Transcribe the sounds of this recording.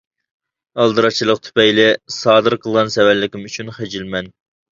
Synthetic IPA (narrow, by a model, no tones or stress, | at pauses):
ɑlˠd̪ɨɾɑt͡ʃʰilˠəqt̪ʰy̥pɛjlɪsɑːd̪ɨɾqʰəlˠʁɑnsɛwæɾlɪkʲimyt͡ʃʰynχed͡ʒilmɛn